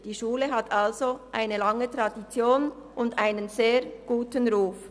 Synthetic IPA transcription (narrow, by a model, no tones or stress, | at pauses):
d̥iːʃuːləɦatʰalzoʔaɪnəlɑŋətʁɑdit͡sjoːnʔʊndʔaɪnənzeːʁɡ̥uːtənʁuːf